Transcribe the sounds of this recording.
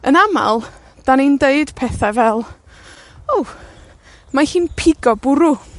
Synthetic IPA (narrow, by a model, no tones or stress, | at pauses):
ənama̰lˠ | d̥anindeɨd̥pʰɛθavɛlˠ | ow | mahiːnpʰɪɡɔbʊɾʊ